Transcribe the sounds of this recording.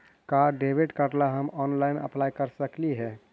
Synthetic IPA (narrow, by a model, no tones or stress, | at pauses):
kaɖebiɖkəʈlaɦəmɔːnlaɪnə̰plaːjkəɾsəkliɦɛː